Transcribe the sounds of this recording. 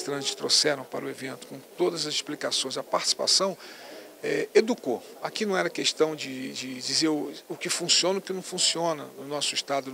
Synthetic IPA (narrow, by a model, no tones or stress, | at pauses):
t̪ɾɐ̃t͡ʃɪ̥t̪ɾosɛɾɐ̃w̃pa̰ɾʊevẽnt̪ʊ̥kõw̃t̪od̪ɐzɐzɪʃplikasõj̃zɐpaɾt͡ʃisi̥pa̰sɐ̃w̃ | ɛed̪uko | akinɐ̃w̃ɛɾɐkeʃt̪ɐ̃w̃d͡ʒɪd͡ʒɪd͡ʒizeɾʊkɪfũsiõnɐʊkɪnɐ̃w̃fũsiõnɐnʊnɔsʊiʃt̪ad̪ʊ